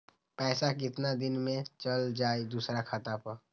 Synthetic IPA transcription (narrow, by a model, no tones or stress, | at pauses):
pɛːsak̬ɪt̪nad̪ɪnmẽt͡ʃəld͡ʒaːed̪uːsɾakʰat̪apə